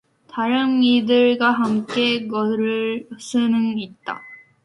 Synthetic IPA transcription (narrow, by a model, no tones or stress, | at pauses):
taɾɯnidɯɭɡwaɦamk͈e̞ɡʌɾɯɭs͈ɯnɯŋit̚t͈a̰